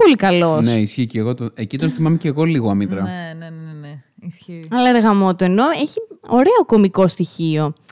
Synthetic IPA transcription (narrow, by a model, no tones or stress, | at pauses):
po̞likɐlo̞seisçiceɣo̞t̪onecit̪o̞nθimɐmeceɣo̞liɣoɐmit̪ɾɐnenne | isçiɐlɐeɾɣɐmo̞t̪oeno̞eçio̞ɾeo̞ko̞miko̞st̪içio̞